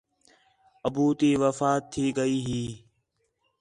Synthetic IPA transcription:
əbuːt̪iːʋəfaːt̪ʰːiːɡəiːɦiː

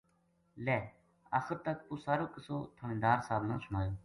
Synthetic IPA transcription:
lɛː | a̰ːxəɾt̪ək̚pʊsaːɾoːkəsoːt̪ʰəɳẽːd̪aːɾsaːbnãːsʊmaːjoː

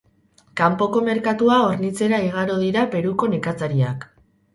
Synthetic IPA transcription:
kampo̞ko̞me̞ɾkat̪uaoɾnit͡se̞ɾaiɣ̞aɾo̞ðiɾape̞ɾuko̞nekat͡saɾiak

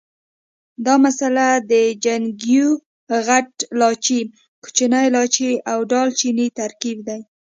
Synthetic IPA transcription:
d̪ɑmasalad̪əd͡ʒaŋɡju | ɣaʈlɑt͡ʃi | ku̥t͡ʃinajlɑt͡ʃiawɖɑlt͡ʃinit̪aɾkibd̪aj

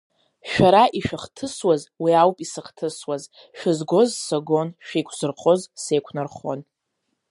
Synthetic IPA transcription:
ʃᶣaɾaʔiʃᶣɪχtʰɨswazwiawpʼisɨχtʰɨswaz | ʃᶣɪzɡʷo̞zsoɡo̞nʃᶣijkʷʰzɨrχozsejkʷʰnɨrχo̰n

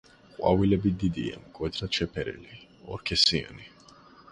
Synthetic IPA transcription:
qʼwa̰vilɛbid̪id̪ia̰mkʼwɛt̪ʰɾat͡ʃɛpʰɛɾɛ̰li | ɔɾkʰɛsia̰ni

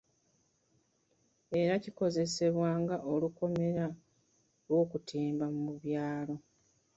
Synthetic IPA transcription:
e̞ɾaciko̞ze̞se̞βwaːŋɡaʔoluko̞me̞ɾa | lwo̞ːkutʰiːmbamumuβjaːlo̞

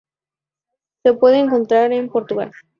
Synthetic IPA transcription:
sepwe̞ðeːŋk̬o̞nt̪ɾaɾempo̞ɾt̪uɣa̰l

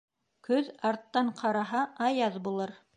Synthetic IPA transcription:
kɵðɑɾt̪ːɑɴqʰɑɾɑɦɑʔɑjɑðbulˠɤɾ

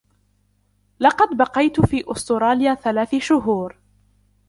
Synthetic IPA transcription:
lɑqɑd̪bɑqɑjt̪ʊfiːʔʊst̪ʊɾˤɑːljaːθalaːθɪʃʊɦuːɾ

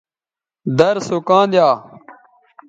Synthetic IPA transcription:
d̪ɐɾsokãːnd̪jaː

